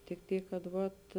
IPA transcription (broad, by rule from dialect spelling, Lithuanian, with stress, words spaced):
tʲɪk ˈtʲiːk kɐt ˈʋɐt